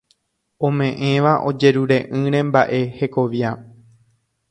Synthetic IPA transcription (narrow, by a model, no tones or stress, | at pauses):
õ̞mẽ̞ʔẽ̞ʋaʔo̞̰d͡ʒe̞ɾuɾe̞ʔɨ̃ɾ̃ẽ̞mbaʔe̞he̞ko̞ʋja